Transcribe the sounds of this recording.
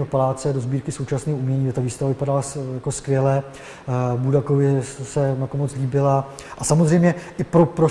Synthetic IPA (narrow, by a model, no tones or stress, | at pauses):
ɦopalaːt͡sɛdo̞zbiːɾkɪso̞wt͡ʃasnɛːoumɲɛɲiːdɛt̪aviːst̪avavɪpadalajako̞skvjɛlɛ | budakovɪsɛmakomot͡sliːbɪla | ʔasamozr̝ɛjmɲɛʔɪpɾopɾo